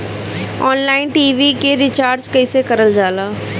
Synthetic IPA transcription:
ɔːnlaːɪnʈiːʋikeɾɪt͡ʃaːɾd͡ʒkɐɪsekɐɾəld͡ʒaːlaː

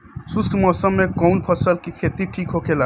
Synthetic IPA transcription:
sʊst̪ʰmɔːsəmːẽkɔʊnpʰəsəlkikʰet̪iʈʰiːkɦokʰela

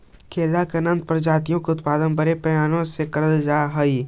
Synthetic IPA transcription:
kʰeːlakeɐnə̃nd̪̚pɐɾd͡ʒaːt̪ijõkeʊt̪paːd̪ənbɐɾepɐjaːnõsekɐɾəld͡ʒaːɦɐi

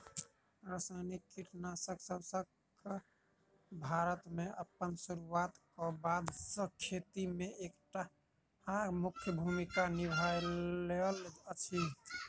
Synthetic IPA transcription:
ɾəsajnikiʈnasəksəbsək | bʱaɾət̪meəpːənsuɾuat̪kɔbad̪sə̃kʰet̪imeʔekʈa | hãmukʰjəbʱumikanibʱajelət͡ʃʰi

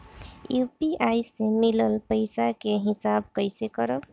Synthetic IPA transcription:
jupiʔajsemiləlpəjsakeɦisabkəjsekəɾəb

